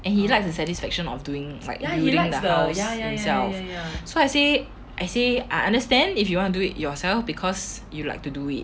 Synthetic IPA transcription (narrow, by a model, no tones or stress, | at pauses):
ʔɛ̃nhilaɪksdəsɛtisfɛkʃə̃nɔ̰fduɪ̃ŋla̰ɪkiiŋdəaʊsajaĩmsɛlfsoaɪse | ʔaɪseʔaɪʔãndəstɛ̃ndifjuwɔ̃ntuduitjɔsɛlfbikʰɔs | jula̰ɪk̚tuduḭt̚